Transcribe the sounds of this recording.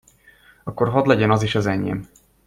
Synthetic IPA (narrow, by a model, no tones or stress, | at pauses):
ɒkːorɦɒd̪lɛɟɛnɒziʃɒzɛɲːḛm